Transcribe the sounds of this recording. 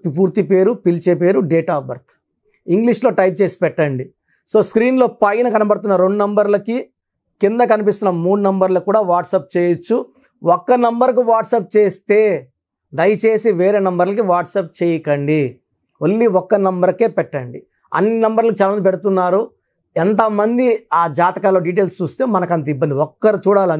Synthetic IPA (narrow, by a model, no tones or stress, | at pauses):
ipuːɾt̪ipe̞ːɾupilt͡ʃepe̞ːɾuɖeːʈaːbɐɾt̪ | iŋɡliʂlo̞ːʈɐjp̚t͡ʃe̞ːsi̥pɛʈːɐɳɖi | so̞ːskɾiːnlo̞ːpɐjinɐkɐnɐpɐɽut̪unːɐɾoɳɖunɐmbɐɾlɐki | kind̪ɐkɐnip̬ist̪unːɐmuːɽunɐmbɐɾlɐkuːɽaːʋaːʈsɐp̚t͡ʃeːjɐt͡ʃːu | ɔkːɐnɐmbɐɾk̬uʋaːʈsɐp̚t͡ʃe̞ːst̪e̞ː | d̪ɐjɐt͡ʃeːsiʋe̞ːɾeːnɐmbɐɾlɐk̬iʋaːʈsɐp̚t͡ʃeːjɐkɐɳɖi | ʋɐlːiɔkːɐnɐmbɐɾke̞ːpɛʈːɐɳɖi | ɐ̰nːinɐmbɐɾlɐkit͡ʃaːlamɐnpeɽut̪unːaːɾu | ɛnt̪ɐmɐnd̪iaːd͡ʒaːt̪ɐkaːlo̞ːɖiːʈ̬e̞ːlst͡ʃuːst̪e̞ːmɐnɐkɐnt̪ɐibːɐnd̪iɔkːɐɾit͡ʃuːɽaːlɐ